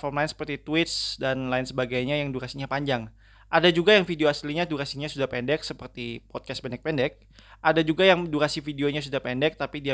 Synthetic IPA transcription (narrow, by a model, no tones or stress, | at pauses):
fɔrmlaɪnsəpərt̪it̪uwɪt̪sdanlaɪnsəbaɡajɲajaŋduɾasiɲapaɲd͡ʒaŋ | ʔadad͡ʒuɡajaŋfidioasliɲaduɾasiɲasudahpɛndɛk̚səpərt̪ipɔt̪̚kaspɛndɛk̚pɛndɛk̚ | ʔadad͡ʒuɡajaŋduɾasifideoɲas̬udahpɛndɛk̚t̪apidia